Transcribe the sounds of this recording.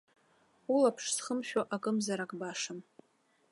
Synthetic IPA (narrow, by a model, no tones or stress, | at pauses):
ulapʰʂsχəmʃᶣaʔakʼɨmzaɾakʼbaʂam